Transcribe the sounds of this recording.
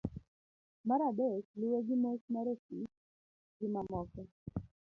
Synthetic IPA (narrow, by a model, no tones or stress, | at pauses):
maɾabet͡ʃlʊwoɡɪmosmaɾosit | ɡɪmamɔkɛ